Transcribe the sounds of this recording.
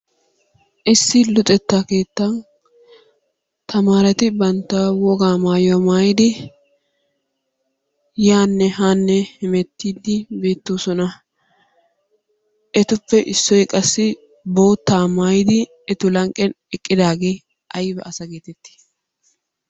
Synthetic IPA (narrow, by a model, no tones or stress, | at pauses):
ʔɪsːɪlʊt̪ʼɛt̪ːaːke̞ːt̪ːɐn | t̪ʰɐmaːɾɐt̪ɪbɐnt̪ːɐwɔɡaːmaːjamaːjɪd̪ɪ | jaːnːɛɦaːnːɛhɪmɛt̪ːiːd̪ɪbe̞ːt̪ːoːsɔnɐ | ʔɛt̪ʊpːɛʔɪsːɔjkʼɐsːɪ | bo̞ːt̪ːaːmaːjɪd̪ɪ | ɛt̪ʊlɐŋkʼɛn | ɛkʼːɪd̪aːɡeː | ʔɐjbɛ̰ʔɐsɐɡeːt̪ɛt̪ːɪ̥